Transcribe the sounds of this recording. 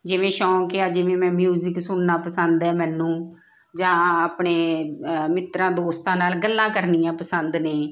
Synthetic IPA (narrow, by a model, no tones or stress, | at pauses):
d͡ʒɪʋẽːʃɔːkːaːd͡ʒɪʋẽːmɛ̃ːmjuːzɪksʊɳnaːpəsənd̪ɛːmɛ̃ːnũː | d͡ʒãːaːpɳeːmɪt̪ɾãːd̪oːst̪ãːnaːlɡəlːãːkəɾnijãːpəsənd̪neː